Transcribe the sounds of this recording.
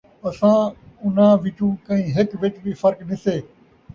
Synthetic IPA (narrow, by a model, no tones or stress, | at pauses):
ɐsãːʊnãːʋɪt͡ʃũːkə̃ɦĩːɦɪkʋɪt͡ʃbiːfəɾknɪseː